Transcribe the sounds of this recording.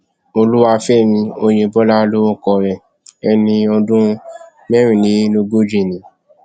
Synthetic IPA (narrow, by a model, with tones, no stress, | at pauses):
o˧lu˦wa˧fɛ˦˨nĩ˧o˧j̃ẽ˧bɔ˦la˦˧lo˦õ˦˨kɔ˧ɾɛ̃˧ | ɛ˧nĩ˧ɔ˧dũ˦ | mɛ˦ɾ̃ĩ˨nĩ˨˦nõ˧ɡ͡bo˦d͡ʒi˦˨nĩ˨˦